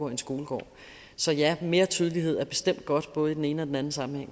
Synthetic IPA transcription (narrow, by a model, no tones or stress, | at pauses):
ɒ̰e̝nsɡ̥o̝ːləɡ̥ɒ̰ː | sɒ̽jæme̝ːɐt͡sʰyːð̞ˠlihe̝ð̞̰ˠæɐb̥e̝sd̥em̰d̥̚ɡ̥ɒ̽d̥b̥ɔ̽ːð̞̩ˠidene̝ːnəɒ̽d̥en̩æn̩sɑ̈mm̩heŋ̰